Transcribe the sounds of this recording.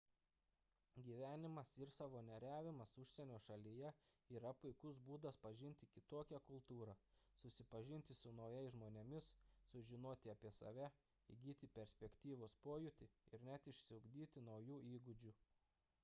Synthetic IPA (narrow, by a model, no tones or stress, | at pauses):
ɡʲiːʋʲæːnʲɪmɐsɪɾsɑːʋoːnʲɛɾʲæːʋʲɪmɐsʊʃʲsʲɛnʲoːʃɐlʲijɛ | iːɾɐpʊɪkʊsbuːd̪ɐspɐʒʲɪnʲt̪ʲɪkʲɪt̪oːkʲɛkʊlˠt̪uːɾɑsʊsʲɪpɐʒʲɪnʲt̪ʲɪsʊnɒʊjɛɪsʒmoːnʲemʲɪssʊʒʲɪnoːt̪ʲɪɐpʲiɛsɐ̰ʋʲæ | ḭɡʲiːt̪ʲɪpʲɛɾʲsʲpʲɛkʲt̪ʲiːʋoːspoːjʊt̪ʲɪɪɾnʲæt̪ɪʃʲsʲɪʊɡd̪ʲiːt̪ʲɪnɒʊjuːʔiːɡʊd͡ʒʲʊ